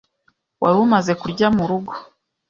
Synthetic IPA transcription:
wʔa̰ɾuumaze̞kuɾɟamuɾuɡo

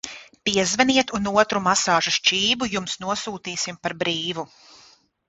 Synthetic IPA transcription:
piɛzvɛniɛt̪unuɔt̪ɾumasaːʒuʃt͡ʃiːbujumsnuɔsuːt̪iːsimpaɾbɾiːvu

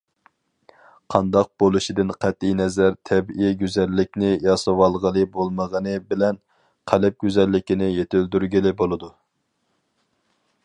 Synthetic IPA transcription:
qʰɑnd̪ɑq̚b̥olˠuʃid̪ɪnqʰæt̪ːijnɛzæɾt̪ʰɛbʔiɡʲyzɛlːɪk̚ʲnɪjɑsəwɑlˠʁəlˠɨbolˠməʁənɨbɪlɛn | qʰælɛp̚ɡʲyzɛlːɪkʲinɪjet̪ʰɪld̪yɾɡʲilɪbolˠɨd̪u

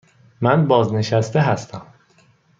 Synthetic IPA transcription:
mænbɒːzne̞ʃæst̪eɦæst̪ʰæm

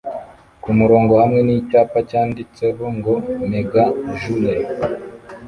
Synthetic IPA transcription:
kumuɾo̞ːŋɡo̞hamŋe̞nicaːpacaːndit͡se̞βoŋɡomeɡaʒule

